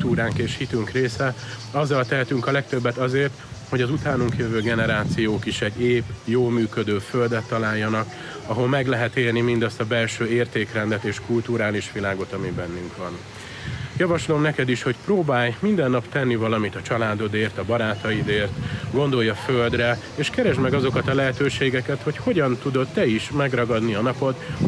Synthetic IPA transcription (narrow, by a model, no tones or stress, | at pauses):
t̪uːɾaːŋkeːʃhit̪yŋkreːsɛɒzːɒlt̪ɛɦɛt̪yŋkɒlɛk̚t̪ø̞bːɛt̪ɒzeːrt̪ho̞ɟɒzut̪aːnuŋkjøvøːɡɛnɛɾaːt̪sijoːkiʃɛɟːeːbjoːlmyːkød̪øːføld̪ɛt̪ːɒlaːjːɒnɒk | ɒɦo̞lmɛɡlɛɦɛt̪eːlnimind̪ɒst̪ɒbɛlʃøːeːrt̪eːkrɛnd̪ɛt̪eːʃkult̪uɾaːliʃʋilaːɡo̞t̪ɒmibɛnːyŋkʋɒn | jɒvɒʃlo̞mnɛkɛd̪iʃho̞cproːbaːjmind̪ɛnːɒpt̪ɛnːivɒlɒmit̪ɒt͡ʃɒlaːd̪o̞d̪eːrt̪ɒbɒɾaːt̪ɒid̪eːrt̪ɡo̞nd̪o̞jːɒføld̪rɛ | eːʃkɛɾɛʒmɛɡɒzo̞kɒt̪ɒlɛɦɛt̪øːʃeːɡɛkɛt̪ho̞cho̞ɟɒnt̪ud̪o̞t̪ːɛiʃmɛɡrɒɡɒd̪niɒnɒpo̞t̪